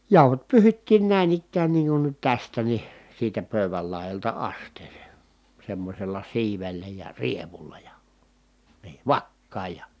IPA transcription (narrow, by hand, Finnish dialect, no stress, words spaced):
jɑˑuhot pyːhitːiːn næˑin ikːæːn niːŋ kun nyt tæstæ ni siːtæ pøˑy̞ʋæl lɑˑi̯jɑltɑ ɑstˑeːseˑ semːosʲelˑɑ siːʋelːæ jɑ rieʋulːɑ jɑ n̥i̥ː ʋɑkːɑːj jɑ